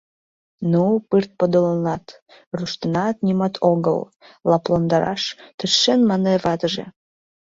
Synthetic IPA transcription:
nupɨrt̪̚pod̪olənɑt̪ | ruʃt̪ənɑt̪nimɑt̪ʰoɣə̰l | lɑplɑnd̪ɑɾɑ̰ʃt̪əʃʃenmɑneβɑt̪əʒḛ

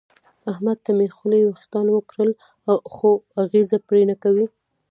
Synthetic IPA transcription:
ahmad̪̚t̪amexulewaxt̪ɑnwəkɽəl | axoaɣezapɽenakawi

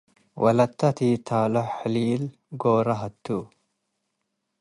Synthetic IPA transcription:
wʔɐ̰lɐt̪ːɐt̪it̪ʰaːlɔħliːl | ɡoːɾɐɦɐt̪ːu

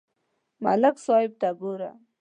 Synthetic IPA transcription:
ma̰laksɔɪb̚t̪aɡuɾa̰

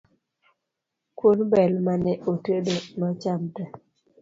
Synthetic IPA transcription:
kwonbɛlmanɛʔotədonɔt͡ʃamta

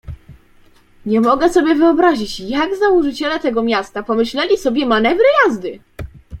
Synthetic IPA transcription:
ɲɛmɔɡɛsɔbʲjɛvɘɔbɾaʑit͡ɕjaɡzauʐɘt͡ɕɛlɛt̪ɛɡɔmʲjast̪apɔmɘɕlɛlʲisɔbʲjɛmanɛvɾɘjazd̪ɘ

